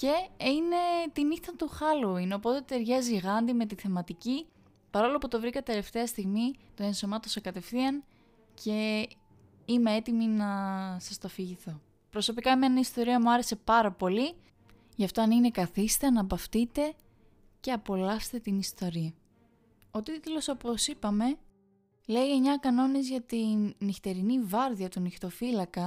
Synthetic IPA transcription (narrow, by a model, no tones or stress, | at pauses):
ce̞ine̞t̪iniθɐt̪uxɐloineo̞po̞t̪e̞t̪e̞ɾʝɐziɣɐnd̪ime̞t̪̬iθe̞mɐt̪ici | pɐɾo̞lo̞put̪o̞vɾikɐt̪e̞le̞ft̪e̞ɐst̪iɣmit̪oenso̞mɐt̪osekɐt̪e̞fθiɐn | cʰe̞ | ime̞e̞t̪iminɐsɐst̪ɐfiʝiθo̞ | pɾo̞so̞pikɐemenɐist̪o̞ɾiɐmuɐɾe̞se̞pɐɾɐpo̞li | ʝɐft̪o̞ɐnine̞kɐθist̪eɐnɐpɐft̪it̪e̞ | ce̞ɐpo̞lɐst̪e̞t̪inist̪o̞ɾiɐ | o̞t̪it̪elo̞so̞po̞sipɐme̞ | le̞ʝemɲɐkɐno̞nizʝɐt̪inːixt̪e̞ɾinivɐɾðiɐt̪unixt̪o̞filɐkɐ